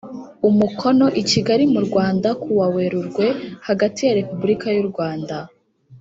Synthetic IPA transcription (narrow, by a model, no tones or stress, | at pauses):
umukʰo̞no̞ʔiciɡaɾimuɾɡwaːndakuwawe̞ɾuɾɡwe̞haɡatijaɾe̞pubuɾikajuɾɡwaːnda